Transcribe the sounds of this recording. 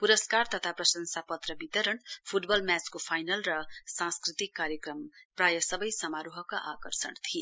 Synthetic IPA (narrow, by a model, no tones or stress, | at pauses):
puɾʌskart̪ʌt̪ʰaprʌsʌnsapʌt̪rʌbit̪ʌɾʌnpʰuʈbʌlmjat͡skopʰajnʌlrʌsãnskrit̪ikːaɾjekrʌmprajʌsʌbʌjsʌmaɾuɦʌkaʔakʌrsʌ̰nt̪ʰie